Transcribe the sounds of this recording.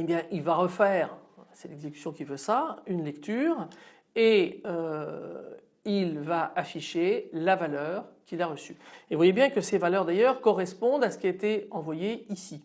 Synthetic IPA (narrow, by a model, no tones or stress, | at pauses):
ebjɛ̃ʔilvaʁəfɛːʁsɛlɛɡzekʲy̥sjɔ̃kʲivøsaynlɛkt̪yʁ | eø | ilvaʔafiʃelavalœːʁkʲilaʁəsyevwajebjɛ̃kəsevalœʁd̪ajœʁkɔʁɛspɔ̃d̪asə̥kʲiaet̪eɑ̃vwajeisi